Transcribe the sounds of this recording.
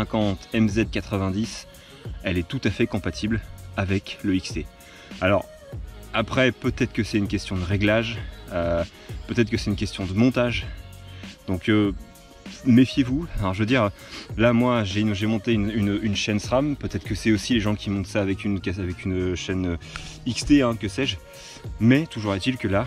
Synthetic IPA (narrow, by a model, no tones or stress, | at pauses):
sɛ̃kɑ̃t̪ɛmzɛd̪̚kat̪χəvɛ̃d̪is | ɛlɛt̪ut̪afɛkɔ̃pat̪ʰiblavɛkləikst̪e | alɔ̰ʁ | apχɛpøt̪ɛt̪χə̥kəsɛt̪ynkʲɛst̪jɔ̃d̪əʁeɡlaʒø | pøt̪ɛt̪χkəsɛt̪ynkʲɛst̪jɔ̃d̪əmɔ̃t̪aʒ | d̪̥ɔ̃kø | mefjevufɛ̃ʒəvəd̪iʁ | lamwaʒenʒemɔ̃t̪eynynynʃɛnsχampøt̪ɛt̪χə̥kəsɛosileʒɑ̃kʲʰimɔ̃t̪saːvɛkʲynkɛavɛkʲynʃɛnø | ikst̪eɛ̃kəsɛʒ | mɛt̪uʒuʁɛt̪ilkəla